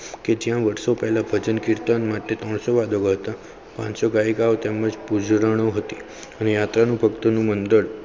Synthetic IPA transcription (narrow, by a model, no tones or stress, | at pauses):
ked͡ʒjãʋəɾsopɛɦlabʱəd͡ʒənkɪɾt̪ənmaʈet̪ɔɳ̃soʋad̪ʱoɡəɦət̪a | pã̰t͡ʃsoɡaekaot̪eməd͡ʒpud͡ʒɾəɽ̃oɦət̪i | ənejat̪ɾanũbʱəkt̪onũmənd̪əɭ